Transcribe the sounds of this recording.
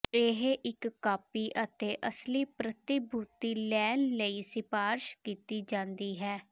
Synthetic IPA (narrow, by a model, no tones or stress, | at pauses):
eɦeʔɪkːaːpiːʔət̪eːʔəsliːpɾət̪ɪbʱuːt̪iːlɛːnləiːsɪpaːɾʃkiːt̪iːd͡ʒãːnd̪iːɦɛː